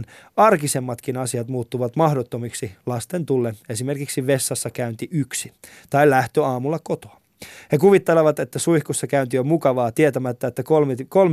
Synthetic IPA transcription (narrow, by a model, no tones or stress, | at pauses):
nɑrkisemːɑt̪kinɑsiɑt̪muːt̪ːuʋɑt̪mɑhdot̪ːomiksilɑst̪ent̪ulːee̞sime̞rkiksiʋe̞sːɑsːɑkæynt̪iʔyksi | t̪ɑilæht̪øɑːmulːɑkot̪oɑ | hekuʋit̪ːeleʋɑt̪et̪ːæsuihkosːɑkæynt̪iømukɑʋɑːt̪iet̪æmæt̪ːæet̪ːækolmkolm